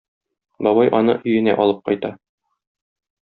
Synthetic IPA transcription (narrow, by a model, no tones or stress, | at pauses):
bɒbɑjʔɒnɤʔɵ̆jɘ̆næ̰ʔɒlˠɤp̚qɒjt̪ɑ